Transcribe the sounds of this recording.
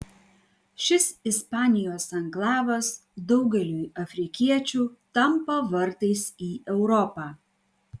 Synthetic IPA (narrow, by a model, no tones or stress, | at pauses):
ʃʲɪsɪspɑːnʲɪjoːsɐŋɡlˠɑːʋɐsd̪ɒʊɡʲɛlʲuːjɐfʲɾʲɪkʲiɛt͡ʃʲuːt̪ɐmpoʋɐɾt̪ɐɪsiːʔɛʊɾɔpɑː